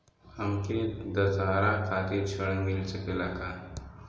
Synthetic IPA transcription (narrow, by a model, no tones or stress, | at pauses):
hɐmked̪ɐzaːɾakʰaːt̪et͡ʃʰɐɽmɪlsəkelaɡaː